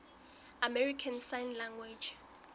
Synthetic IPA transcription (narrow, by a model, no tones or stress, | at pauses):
amɛɹikʰansajnlaŋɡwe̥d͡ʒ